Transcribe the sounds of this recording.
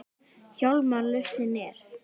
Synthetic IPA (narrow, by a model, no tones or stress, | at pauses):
çawlmalʏht̪ɪnɛɾ̥